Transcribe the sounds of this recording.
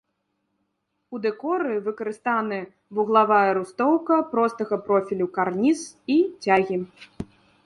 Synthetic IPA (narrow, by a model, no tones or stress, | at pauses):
ud̪ɛkɔɾɨvɨkɐɾɨst̪anɨ | vuɣlˠavajɐɾust̪ɔwkɐpɾɔst̪ɐɣɐpɾɔfʲilʲukarnʲisit͡sʲaɣʲi